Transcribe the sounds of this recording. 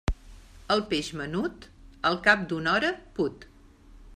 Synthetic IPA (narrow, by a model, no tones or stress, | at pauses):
əlˠpeʒmənut̪əlˠkap̚d̪unɔɾəput̪